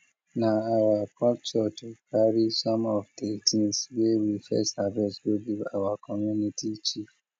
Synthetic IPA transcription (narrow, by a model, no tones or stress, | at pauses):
nãaɾapʰɔpt͡ʃɔtokaɾisɔ̃mɔvdetʰĩnswewifɛ̰stavɛsɡoɡia̰wakʰɔmjunĩtit͡ʃif